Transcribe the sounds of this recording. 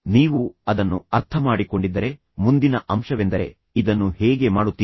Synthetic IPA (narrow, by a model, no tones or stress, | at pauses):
niːʋuɐd̪ɐnːuɐɾt̪ʰɐmaːɽiko̞ɳɖid̪ːɐɾe̞ | mund̪inɐʔɐmʃɐʋe̞nd̪ɐɾe̞̰ | id̪ɐnːuhɛːɡe̞maːɽut̪ːiː